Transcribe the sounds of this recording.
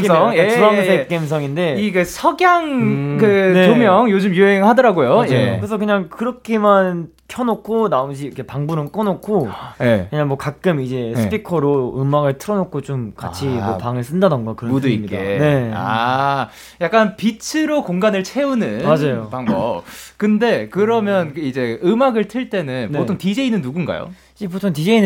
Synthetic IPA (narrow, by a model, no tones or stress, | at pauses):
eʌuaŋsʰeik͈ems̬ʰʌŋinde̞iɡesʰʌɡjaŋkɯne̞omjʌŋjod͡ʑɯmjuɦeŋhadʌɾaɡojoekkɾes̬ʰʌkɯɲaŋkɯɾʌkʰeman | kʰjʌnokʰːonaomd͡ʑiikʰe̞paŋbunɯnk͈ʌnokʰojekɯɲaŋmwʌkak̚k͈ɯmid͡ʑe̞sʰɯ̥pʰikʰʌɾoɯmaɡɯɭtʰɯɾʌnokʰot͡ɕomka̰t͡ɕʰiʌpaŋɯɭs͈ɯndanɯnɡakɯɾʌmuduiɲikdaene̞a̰ | jak͈anpit͡ɕʰɯɾokoŋɡanɯɭt͡ɕʰe̞unɯnmad͡ʑajopaŋʌkɯnde̞kɯɾʌmjʌnid͡ʑe̞ɯmaɡɯɭtʰɯɭt͈e̞nɯnneotʰoŋtid͡ʑe̞inɯnːuɡunɡa̰jo̰ | d͡ʑep̬otʰoŋtid͡ʑe̞in